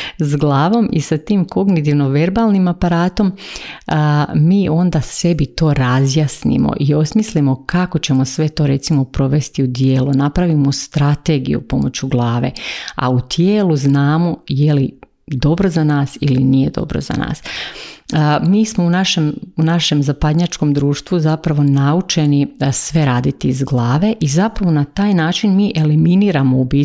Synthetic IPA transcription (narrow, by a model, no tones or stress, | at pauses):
sɡlˠaːʋo̞mʔisat̪iːmko̞ɡnit̪̬iʋno̞ʋe̞ɾbaːlˠnimapaɾaːt̪o̞m | miːʔo̞nd̪ase̞bit̪o̞ːɾazjasnḭmo̰ʔio̞smislimo̞kako̞t͡ɕe̞mosʋe̞t̪o̞ːɾe̞t̪simo̞pɾo̞ʋe̞st̪iud̪jeːlunapɾaʋimost̪ɾat̪e̞ɡḭjṵpo̞mo̞̰t͡ɕuɡlˠaːʋe̞̰a̰ut̪jeːlˠuznaːmo̞jeli | d̪o̞bɾo̞zanaːsilinije̞d̪o̞̰bɾo̰za̰na̰ːs | miːsmounaʃe̞munaʃe̞mzapad̪ɲat͡ʃko̞md̪ɾuːʃt̪ʋuzapɾaʋo̞naut͡ʃe̞nisʋe̞ɾaːd̪it̪iːzɡlˠaːʋe̞ʔizapɾaʋo̞nat̪aːjnaːt͡ʃinmiːʔe̞liminiːɾamoubiː